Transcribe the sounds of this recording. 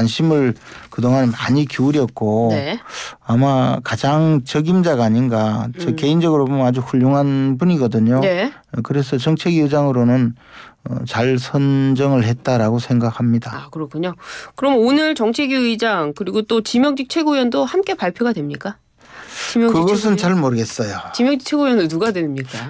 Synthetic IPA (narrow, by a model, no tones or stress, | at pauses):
anɕʰimɯɭkɯdoŋɦanmaɲikiuɾjʌk̚k͈oeamakad͡ʑaŋt͡ɕʌɡimd͡ʑaɡaːɲinɡat͡ɕʌke̞ind͡ʑʌɡɯɾobunad͡ʑuɸuʎːoŋɦanbuɲiɡʌdɯɲone | kɯɾe̞s̬ʰʌt͡ɕʌŋt͡ɕʰeɡiɯd͡ʑaŋɯɾonɯn | ʌ̰t͡ɕaɭsʰʌnd͡ʑʌŋɯɭhe̞t̚t͈aɾaɡosʰe̞ŋɡak̚hamɲidaakɯɾʌkʰuɲokɯɾʌmonɯɭt͡ɕʌŋt͡ɕʰeɡiid͡ʑaŋkɯɾiɡot͈ot͡ɕimjʌŋd͡ʑik̚t͡ɕʰe̞ɡojʌndohamk͈e̞paɭpʰjoɡadwe̞mɲik͈a | t͡ɕimjkɯɡʌs̬ʰɯnt͡ɕaɭmʌɾɯɡe̞s͈ʌjot͡ɕimjʌŋd͡ʑik̚t͡ɕʰeɡojʌnonuɡadwenmɲik͈a